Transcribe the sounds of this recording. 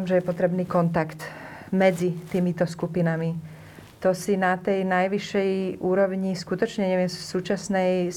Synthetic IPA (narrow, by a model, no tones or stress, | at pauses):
mʒɛjɛpɔt̪ɾɛbniːkɔnt̪akt̪ | mɛd͡zit̪iːmit̪ɔskupinami | t̪ɔsinat̪ɛjnajʋiʃːɛjʔuːɾɔʊɲiskut̪ɔt͡ʃɲɛɲɛʋɪɛmsuːt͡ʃasnɛj